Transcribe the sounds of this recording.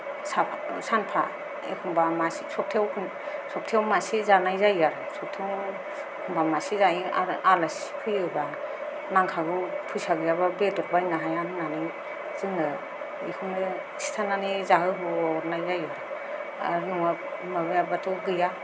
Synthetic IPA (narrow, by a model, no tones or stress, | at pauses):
sapʰsanpʰa | ḛkʰuŋbamasisɔp̚tʰewkʰ | sɔp̚tʰewmasizanajzajaɾsɔp̚tʰew | kʰumbamasizaiaɾalaspʰɯjɯba | naŋkʰaɡupʰujsaɡɯjababetɔɾbajnaɦajanɯnanɯj | z̥ɯŋɯ | ikʰuŋɯ | sʰi̥tʰananizaɦɯɦɔɾnajzajaɾ | a̰ɾjuŋa | mabejabatʰɔɡɯja